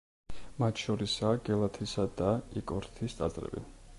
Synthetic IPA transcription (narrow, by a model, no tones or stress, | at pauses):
mat̪ʰʃɔɾisaːɡɛlˠat̪ʰisad̪aikʼɔɾt̪ʰist̪sʼa̰sʼɾɛ̰bḭ